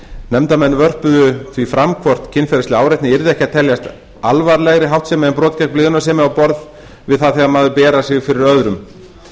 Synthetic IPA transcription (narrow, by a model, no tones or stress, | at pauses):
nɛmt̪amɛnːvœr̥pʏðʏθvifɾamkʰvɔr̥t̪cʰɪnfɛɾast̪lɪaːwɾɛjht̪nɪɛɾðɪɛhcɪat̪ʰɛljast̪ | alvaɾlɛɣɾɪɦawht̪sɛːmɪɛmpɾɔːt̪cɛkplɪːðʏnasɛːmɪawpɔɾð | vɪðθaðθɛɣamaːðʏpɛːɾasɪɣfɪɾɪɾœðɾʏm